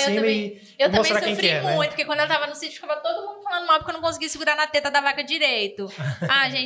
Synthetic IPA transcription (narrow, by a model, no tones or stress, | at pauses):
ewẽmẽ | ewtmɐ̃osẽɾakẽj̃fɾiɛñɛũj̪̃pokekw̃d̪elt̪avɐnʊsit͡ʃʊfikavɐt̪od̪ʊmũnd̪ʊfalɐ̃nd̪ʊmawpɾkewnɐ̃kõsɪɡiɐsɪɡuɾaɾnɐt̪et̪ɐd̪avakɐd͡ʒiɾejt̪ʊaʒẽ